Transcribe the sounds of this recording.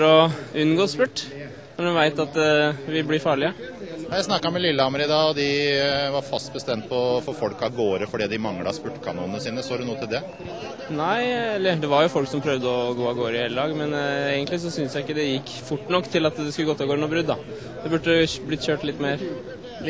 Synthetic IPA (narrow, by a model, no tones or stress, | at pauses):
ɾɔʉnːɡoːspʉʈː | nɔɖʉʋæɪt̪ɑt̪ʋɪblɪɾfɑːɭɪəɑjæɪsnɑkːɑmɛlɪlːəɑməɾɪd̪ɑːɔd̪ɪʋɑɾfɑst̪̚bəst̪ɛmt̪̚pʰɔfɔɾfɔlkɑɡoːɾəfɔɖiːd̪ɪmɑŋlɑ̰spʉʈːkʰɑ̰nuːnnəsiːnəsoːd̪ʉnuːət̪ʰɪld̪ɛ | næɪɛlːəɖ̪ɛʋɑɾjʊfɔlksɔmpʰɾœʋd̪əɔɡoːɑɡoːɾəɪheːləlɑːɡmɛneːɡənt̪lɪsɔsʏnsjæɪɪkːəd̪ɛjɪkːfʊʈːnɔkːt̪ʰɪlɑt̪d̪ɛskʉləɡɔt̪ːɑɡoːɾnɔbɾʉd̪ːɑ | d̪̥ɛbʉʈːəblɪt̪çøːʈlɪt̪ːmeːɾ